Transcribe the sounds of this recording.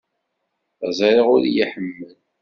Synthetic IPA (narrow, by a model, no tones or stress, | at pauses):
zˤɑɾˤiʁʊɾijiħəmːəl